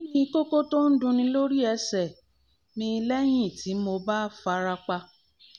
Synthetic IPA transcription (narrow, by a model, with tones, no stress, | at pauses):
ñĩ˦˧˦ko˦ko˦to˦n̩˦dũ˧nĩ˧lo˦ɾi˦ɛ˧sɛ˨ | mĩ˧˦˧lɛ˦j̃ĩ˦˨ti˨˦mo˧ba˦fa˧ɾa˧k͡pa˧